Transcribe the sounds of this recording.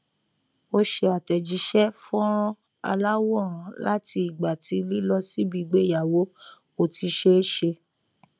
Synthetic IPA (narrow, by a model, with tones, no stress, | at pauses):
o˦ʃe˧a˨tɛ˨d͡ʒi˨˦ʃɛ˦fɔ̃˦ɾ̃ɔ̃˦ | a̰˧la˦wɔ˦˨ɾ̃ã˨˦la˦ti˧i˨ɡ͡ba˨tʰi˨˧˦li˦lɔ˧si˦bi˧ɡ͡be˦˨ja˨wo˨˦ | o˨ti˧ʃe˦ʃe˧